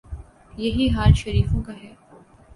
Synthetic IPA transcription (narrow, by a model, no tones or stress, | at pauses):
jɐɦiɦaːɾʃɐɾiːfõkaɦɛː